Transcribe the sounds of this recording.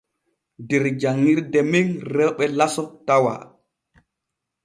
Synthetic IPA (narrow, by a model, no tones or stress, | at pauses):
dɛɾd͡ʒaŋːiɾdɛminrɛɓɛlasɔtawa̰